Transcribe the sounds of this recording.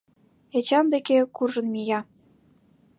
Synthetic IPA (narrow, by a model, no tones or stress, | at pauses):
et͡ɕɑmd̪ekekurʒɤ̆nmijɑ